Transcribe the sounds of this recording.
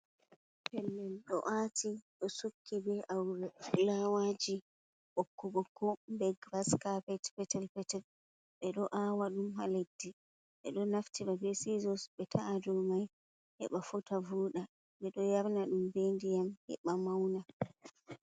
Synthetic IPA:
pɛlːɛlɗɔ̰ʔatʰiɗɔsukʰːibɛʔawɾɛlawad͡ʒi | ɓokːuɡɔkumbɛɡɾaskapɛtpɛtɛlpɛtɛl | ɓɛɗɔʔawaɗumɦaledːi | ɓɛɗɔnaftiɾavesizɔsɓɛtʰaaduɾmaj | hɛ̰ɓafutavuːɗa | ɓɛɗɔjaɾnaɗumbendijamhɛ̰ɓamawna

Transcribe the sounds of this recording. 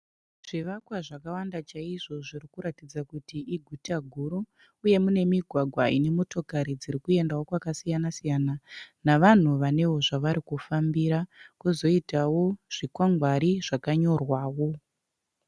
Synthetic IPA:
ʐ̥iʋakwaʐakawandat͡ʃaiʐo̞ʐiɾikuɾatid͡zakutiʔiɡʱutaɡʱuɾuː | je̞mune̞miɡʱwaɡʱwaine̞mo̞to̞kaɾid͡ziɾikue̞ndawo̞kwakasijanasijananaʋan̤uʋane̞wo̞ʐaʋaɾikufambiɾakuzo̞itawo̞ʐ̥ikwaŋɡwaɾiʐ̥akaɲo̞rwaːwo̞

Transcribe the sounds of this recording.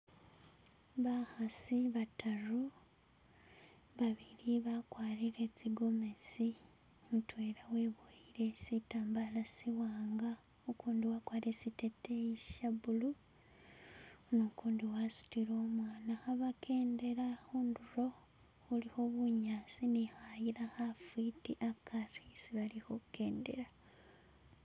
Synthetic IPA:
βahasiβatʰaru | βaβiɾiβakwaːɾiɾe̞t͡siɡo̞me̞si | mutweːɾawe̞ːβoiɾe̞sitaːmbalasiwaːŋɡa | okuːndiwakwaːɾesiteteiʃaβulu | nokuːndiwasu̥tiɾo̞ːmwaːnaxaβakʰe̞ːnde̞ɾaxuːnduro̞ | huliho̞βuɲaːsinixajiɾahafitiʔakʰarisiβalihokukeːnde̞̰ɾa

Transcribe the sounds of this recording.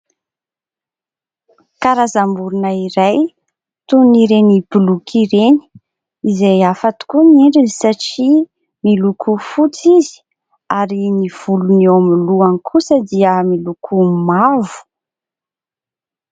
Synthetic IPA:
kaɾazambuɾunaiɾaj | t̪uniɾenibulukʰiɾeni̥ | izejafat̪u̥kunieɳɖ͡ʐinisaʈ͡ʂi | milukʰufut͡sizi̥ | aɾiniv̥ulunewamiluanikʰusəd̪iəmilukʰumavu̥

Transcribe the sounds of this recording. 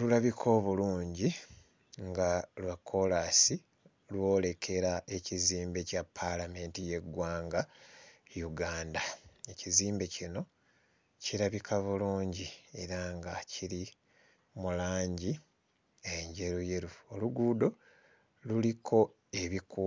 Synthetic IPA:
lulaβikʰo̞ːβuluːɲɟi | ŋɡalwakʰːo̞lasi | lwo̞ːle̞kʰe̞ɾae̞ciziːmbe̞capʰːalame̞ːntije̞ɡwaːŋɡa | juɡaːndae̞ciziːmbe̞cino̞ | ciɾaβikʰaβuluːɲɟie̞ɾaŋɡaciɾi | mulaːɲɟi | eɲɟe̞ɾuje̞ɾuoluɡuːdo̞ | lulikʰo̞ | e̞βiku

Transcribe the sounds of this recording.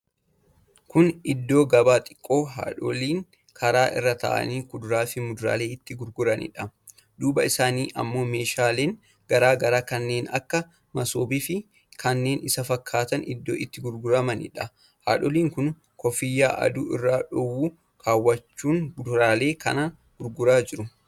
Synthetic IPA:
kʊnɪd̪ːo̞ːɡɐbaːt̪ʼɪ̥kʼːo̞ːɦa̰ːᶑɔliːŋ | kʰɐɾaːʔɪ̰rːɐt̪ɐ̰ʔɐ̰niːkʊd̪ʊɾaːfɪmʊd̪ʊɾa̰ːle̞ːɪt̪ːɪɡʊɾɡʊɾɐnɪ̰ᶑɐ | d̪uːbɐɪsaːniːʔɐ̰mːo̞ːme̞ːʃaːleːŋ | ɡɐɾaːɡɐɾaːkɐnːe̞ːnɐ̰kːɐ | mɐsoːbifɪ | kɐnːe̞ːnɪsɐfɐkʰːaːt̪ɐnɪ̰d̪ːo̞ːʔɪt̪ːɪɡʊɾɡʊɾɐmɐnɪ̰ᶑɐ | ha̰ːᶑɔliːŋkʊn | kɔfɪjːaːʔɐ̰d̪ʊːʔɪrːaːᶑʊwuː | kʰaːwːɐt͡ʃːuːŋd̪ʊɾaːle̞ːkʰɐ̰na | ɡ̥ʊɾɡʊɾaːd͡ʒɪɾʊ

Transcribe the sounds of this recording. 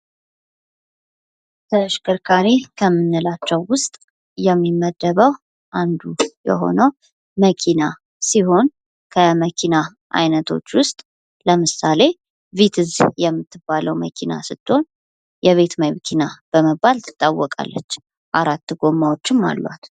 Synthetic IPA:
t̪ʰəʃkɨɾkʰaɾikʰəmːɨnːɨlat͡ʃːɛwːʊst̪ʼ | jɛmːimːəd̪ːəβəw | ʔand̪ujɛ̰ɦo̞̰nəw | məkʰina | siɦo̞n | kʰəməkʰina | ʔa̰jnət̪ʰo̞̰t͡ʃːwʊst̪ʼ | ləmɨsale̞ | vit̪ʰɨzjɛmːɨt̪ʰːɨbːaləwməkʰina̰sɨt̪ʰʼːo̞n | jɛβe̞t̪məjkʰinab̥əməbːalt̪ʰɨ̥t̪ʼːawːɔkʼa̰lːə̰t͡ʃː | ʔaɾat̪ːɨɡo̞mːawot͡ʃːɪmːa̰lːwa̰t̪

